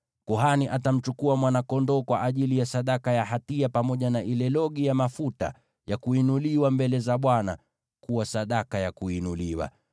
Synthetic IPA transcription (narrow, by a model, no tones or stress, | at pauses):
kuɦaniʔatam̩t͡ʃukuamwanakɔndɔːkwaʔaʄilijasaɗakajaɦatiapamɔʄanaʔilɛlɔɠijamafuta̰ | jakuinuliwambɛlɛzaɓwana̰ | kuwasaɗakajakuinuliwa̰